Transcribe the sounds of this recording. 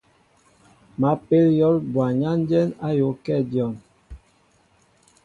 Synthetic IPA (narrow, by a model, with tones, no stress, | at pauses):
ma˨˦pe˦ljɔ˦lbwa˨ɲa˦n˦d͡ʒɛ˦na˦jo˨˦kɛ˦˨djɔ˨m